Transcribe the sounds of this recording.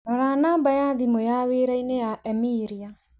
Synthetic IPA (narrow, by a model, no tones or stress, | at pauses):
nɔɾanaːmbajaðimojaweɾainejaɛmiːɾia